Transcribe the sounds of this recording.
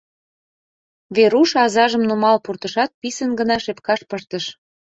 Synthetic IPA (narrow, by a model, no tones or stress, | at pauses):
βeɾuʃɑzɑʒəmnumɑlpurt̪ə̆ʃɑt̪̚pisənɡənɑʃepkɑʃpəʃt̪əʃ